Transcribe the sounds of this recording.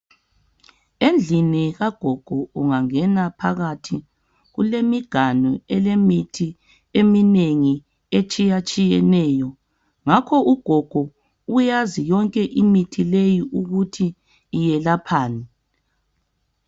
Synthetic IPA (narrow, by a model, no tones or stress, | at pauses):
end͡ɮʱiniɣaɡ̥ʱɔɡ̥ʱɔuŋaŋɛnapʰa̰ɣatʰi | ɣulemiɡ̥ʱanɔɛlemitʰi | emineŋi | et͡ʃʼijat͡ʃʼijɛnɛːjɔ | ŋakʰɔʔuɡ̥ʱɔɡ̥ʱɔ | ujazijɔŋkʼɛʔimitʰilejiʔuɣutʰiː | jɛlapʰaːni